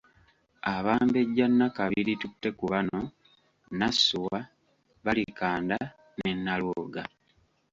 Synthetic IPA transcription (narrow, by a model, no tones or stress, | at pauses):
aβaːmbe̞ɟːanːakaβilitutːe̞kuβano̞ | nasuwa | βalikaːnda | ne̞nːalwoːɡa